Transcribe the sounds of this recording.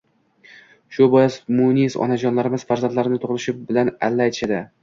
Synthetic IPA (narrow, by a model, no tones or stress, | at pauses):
ʃʊbɒjɪsmunisɒ̰nad͡ʒɒnlaɾɪmɪz̥faɾzand̪laɾɪnɪt̪ʰoʁlˠɪʃɪbɪlana̰lːaajt̪ʰɪ̥ʃad̪ɪ